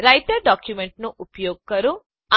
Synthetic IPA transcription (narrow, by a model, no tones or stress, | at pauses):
ɾɐjʈɐɾɖaːkjumeɳʈnuʔupɐjoɔːɡ̚kɐɾu | a